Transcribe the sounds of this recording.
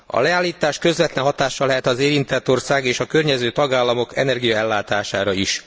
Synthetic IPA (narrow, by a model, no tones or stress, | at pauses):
ɒ̰lɛaːlːiːt̪aːʃkø̞zʋɛt̪lɛnɦɒt̪aːʃːɒlɛɦɛt̪ɒzeːɾint̪ɛt̪ːo̞rsaːɡeːʃɒkørɲɛzøːt̪ɒɡaːlːɒmo̞kɛ̰nɛrɡijɒɛlːaːt̪aːʃaːɾɒiʃ